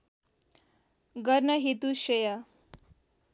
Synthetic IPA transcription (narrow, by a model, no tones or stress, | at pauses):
ɡəɾnəɦet̪uɕeja